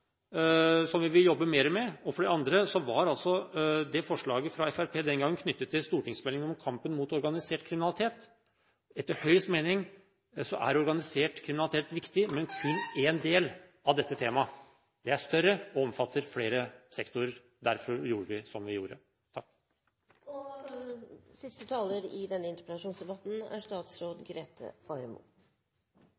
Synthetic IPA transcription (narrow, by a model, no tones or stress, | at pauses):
sɔmʋɪʋɪljɔbːəmeːɾəmɛɔfɔɖɛɑnd̪ɾəsɔʋɑɾɑlsɔd̪ɛfɔʂɭɑːɡəfɾɑɛfæɾpʰeːd̪ɛnɡɑŋːənkʰnʏt̪ːət̪ːɪlst̪uːʈɪŋsmɛlɪŋəɔmkʰɑmpənmuːt̪ɔɾɡɑnɪseːʈkʰɾɪmɪnɑlɪt̪ʰeːt̪ | ɛt̪ːəɾhœʏəst̪meːnɪŋ | sɔʔæ̰ɾɔɾɡɑnɪseːʈkʰɾɪmɪnlt̪eːt̪ʋɪkt̪ɪmɛnkʰʉnːeːnd̪eːl | ɑʋd̪ɛt̪ːət̪ʰeːmɑ | d̪ɛæʂt̪œɾəɔɔmfɑt̪ːəɾfleːɾəsɛkt̪ʊɾəɾ | d̪æɾfɔɾjuːɾəʋɪsɔmʋɪjuːɾə̰ | t̪ʰɑkː | sɪst̪ət̪ʰɑːləɾɪd̪ɛnːəɪnt̪əpɾɛt̪ɑʂuːnsd̪ɛbɑt̪n̩æ̰ʂt̪ɑːt̪sɾoːd̪ɡɾeːt̪ʰə̰fɑɾmʊ̰